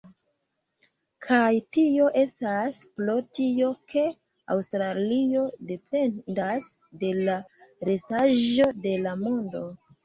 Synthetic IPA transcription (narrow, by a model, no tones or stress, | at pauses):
kʰajtio̞ʔe̞staspɾo̞tio̞kʰe̞ | a̰wstɾalio̞de̞pe̞das | de̞laɾe̞staʒo̞de̞lamondo̞